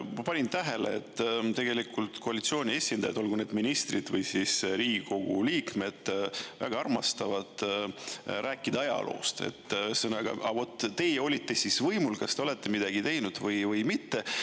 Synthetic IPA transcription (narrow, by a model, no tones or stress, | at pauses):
mpɑnʲint̪æɦe̞lḛḛt̪ːt̪e̞ɡe̞likult̪ko̞ɑlit̪sio̞ːnʲie̞sʲind̪̥ɑjɑd̪̥o̞lɡune̞ːd̪minist̪rid̪̥vɤjsisɾiːɡko̞ɡ̥uliːkme̞d̪̥væ̰ɡɑɑrmɑst̪ɑvɑd̪̥ | ɾʔæːkːˑid̪̥ɑɑjɑ̰lʔo̰ːst̪e̞̰t̪ːsɤnɑɡ̥ɑ̰ʔɑvo̞t̪ˑːt̪ːe̞jeo̞lʲit̪ːe̞sisvɤjmulkɑst̪eole̞t̪ːˑemid̪ɑɡ̥it̪e̞jnud̪̥vɤjvɤjmit̪ːe̞